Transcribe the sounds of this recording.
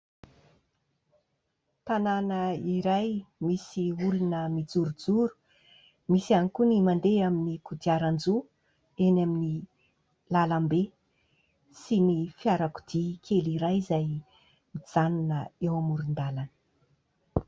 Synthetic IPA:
t̪ananəiɾajmisiulunəmid͡zuɾud͡zuɾu̥ | misanikunimand̪eaminikud̪iaɾand͡zu | enamini | lalambe | sinifiaɾaku̥d̪ikʰeliɾajzaj | mid͡z̥anunəewamuɾund̪alanə̥

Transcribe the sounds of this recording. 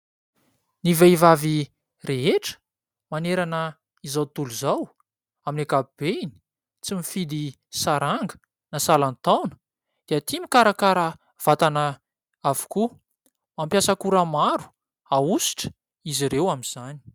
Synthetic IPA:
niveivavi | reɦeʈ͡ʂə̥ | maneɾanə | izawt̪uluzaw | aminakabib̥eini̥ | t͡simifid̪i | saɾaŋɡə̥ | nasalant̪awnə̥ | d̪̥eat̪imikaɾakaɾa | v̥at̪anə | avu̥ku | mampjasakuɾamaɾu̥ | ausi̥ʈ͡ʂə̥ | iziɾewamiz̥ani̥

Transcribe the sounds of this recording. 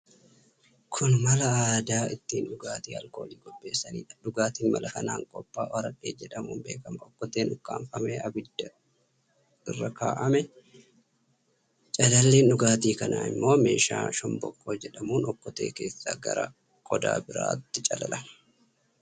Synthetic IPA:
kʰʊnmɐlɐaːd̪aːɪt̪ːiːnᶑʊɡaːt̪iːɐ̰lko̞ːliːɡɔbːe̞ːsːɐniːᶑɐᶑʊɡaːt̪iːnmɐ̰lɐkɐnaːŋkʼɔpʼːa̰ːwɐɾɐᶑeːd͡ʒɛᶑɐmuːnbe̞ːkɐmɐɔkːɔt̪eːnʊkːaːɱfɐmeːʔɐbɪd̪ːɐ | ɪrːɐka̰ːʔɐmɛ | t͡ʃʼɐlɐlːeːnɗʊɡaːt̪iːkɐna̰ːɪ̰mːo̞ːme̞̰ːʃa̰ːʃɔmbɔkʼːoːd͡ʒɛᶑɐmuːnɔkːɔt̪e̞̰ːke̞̰ːsːa̰ːɡɐ̰ɾɐ | kʼɔd̪a̰ːbɪɾa̰ːt̪ːɪt͡ʃʼɐlɐlɐ

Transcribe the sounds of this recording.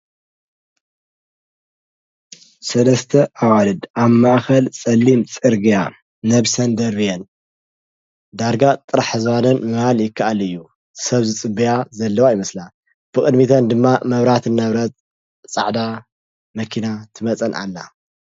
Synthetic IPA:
sɐlɐst̪ʰɐʔawalɨd̪aβmaʔxɐlt͡sʼɐlːimt͡sʼɨɾɡija | nɐβsɐnd̪ɐɾbijɐn | d̪aɾɡat̪ʼɨɾaħɨzwanɐnmɨhaljɪkːaʔalɨjːu | sɐβzɨt͡sʼɨbijazɐlːɐwajɪmɐsla | b̥ɨkʼɨd̪mit̪ʰɐnd̪ɨmːamɐβɾat̪ʰɨnːɐβɾɐt̪ʼ | t͡sʼa̰ʕd̪a | mɐkʰinat̪ʰɨmɐt͡sʼɐnʔa̰lːa̰

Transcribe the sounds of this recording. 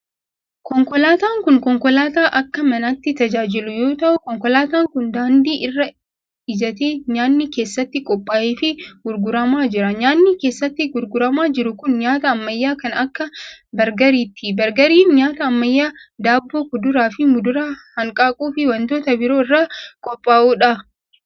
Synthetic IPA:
kɔŋkɔlaːt̪aːŋkʊŋkɔŋkɔlaːt̪aːʔɐkːɐmɐnɐt̪ːɪt̪ɐd͡ʒaːd͡ʒɪlʊjo̞ːt̪ɐʔʊkɔŋkɔlaːt̪aːŋkʊnd̪aːnd̪iːʔɪrːɐ | ɪd͡ʒɐt̪eːɲaːnːike̞ːsːɐt̪ːɪkʼɔpʼːaːʔeːfɪɡ̥ʊɾɡʊɾɐmaːd͡ʒɪɾɐɲaːnːike̞ːsːɐt̪ːɪɡʊɾɡʊɾɐmaːd͡ʒɪɾʊkʊnɲaːt̪ɐːmːɐjːaːkɐnɐkːɐbɐɾɡɐɾiːt̪ːɪbɐɾɡɐɾiːnɲaːt̪ɐɐmːɐjːaːd̪aːbːoːkʊd̪ʊɾaːfɪmʊd̪ʊɾaːhɐŋkʼaːkʼuːfɪwɐnt̪o̞ːt̪ɐbɪɾo̞ːɪrːaːkʼɔpʼːaːʔuːᶑɐ

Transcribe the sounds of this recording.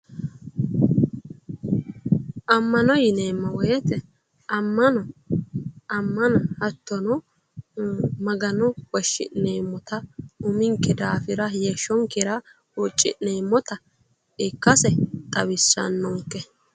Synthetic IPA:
ʔɐmːɐnɔjɪneːmːɐwɔjɛt̪ɛ | ɐmːɐnɔ | ɐmːɐnɐhɐt̪ːɔnɔ | mɐɡɐnɔwɔʃːɪ̰neːmːɔt̪ɐʊmɪŋkːɛd̪aːfɪɾɐjeʃːɔŋkɪɾɐ | wɔt͡ʃʼːɪ̰ʔneːmːɔt̪ɐ | ɪkːɐsɛt̪ʼɐwɪsːɐ̰nːɔŋkːɛ

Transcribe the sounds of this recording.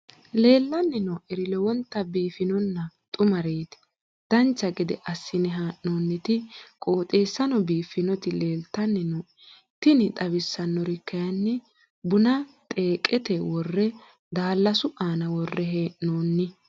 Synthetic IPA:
le̞ːlːɐnːɪnɔʔɛɾɪlɛwɔnt̪ːɐbiːfɪnɔnːɐt̪ʼʊmɐɾeːt̪ɪ̥ | d̪̥ɐnt͡ʃːɐɡɪd̪ɛ̰ʔɐsːɪnɛɦaːʔnoːnːɪt̪ɪkʼo̞ːt̪ʼe̞ːsːɐnɔbiːfɪnɔt̪ɪle̞ːlt̪ːɐnːɪnɔ | t̪ɪnɪt̪ʼɐbɪsːɐnːɔɾɪkːɐjɐnːɛ | bʊnɐt̪ʼe̞ːkʼɛt̪ɛwɔrːɛ | d̪aːlːɐsʊʔaːnɐwɔrːɛɦeːnoːnːɪ

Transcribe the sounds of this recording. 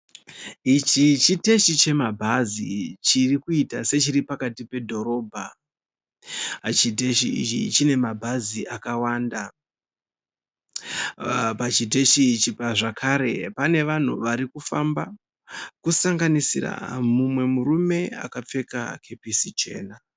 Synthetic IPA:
it͡ʃit͡ʃite̞ʃit͡ʃe̞mabʱazit͡ʃirikuitase̞t͡ʃiɾipakatipe̞dʱo̞ɾo̞ːbʱa̰ | t͡ʃit̬eʃiḭt͡ʃḭt͡ʃine̞mabʱaziʔakawaːnda | pat͡ʃit̬eʃit͡ʃipaʐakʰaɾe̞pane̞ʋan̤ṵʋaɾikufamba | kusaŋɡanisḭra̰mumwe̞muɾume̞a̰kap͡fe̞ka̰ke̞pisit͡ʃe̞̰ːna

